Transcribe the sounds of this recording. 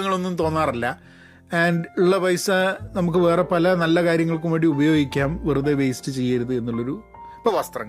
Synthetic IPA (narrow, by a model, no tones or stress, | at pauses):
ŋːɐɭo̞nːumt̪o̞ːnːaːrɐlːɐ | aːɳɖuɭːɐbɐjsɨnɐmuk̬ːɨʋe̞ːre̞pɐlɐnɐlːɐkaːɾjɐŋːɐɭkumʋɐɽiubɐjo̞ːɡikʲːaːmʋiruðeʋejstɨt͡ɕe̞jːɐɾuðɨe̞nːuɭːo̞ɾu | pːɐʋɐst̪rɐŋː